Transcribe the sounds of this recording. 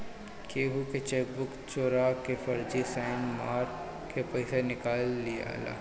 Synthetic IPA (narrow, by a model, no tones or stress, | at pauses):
keːɦuket͡ʃeːk̚bʊkt͡ʃoːɾakefɐɾd͡ʒisaːɪnmaːɾ | kʰepɐɪsenɪkaːlːija̰ːla̰ː